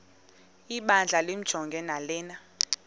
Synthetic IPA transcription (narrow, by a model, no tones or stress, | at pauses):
iɓand͡ɮʱalem̩d̥ʒ̥ʱɔŋɡʱɛnalɛːna